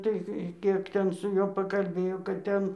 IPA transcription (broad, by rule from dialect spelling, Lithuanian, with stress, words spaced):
ˈtɐɪ ˈkʲiɛk tʲɛn sʊ ˈjuɔ pɐkɐlʲˈbʲeːjoː kɐt ˈtʲɛn